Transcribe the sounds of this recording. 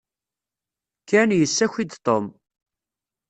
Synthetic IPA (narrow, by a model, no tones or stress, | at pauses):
kːænjəsːæçid̪t̪ˤom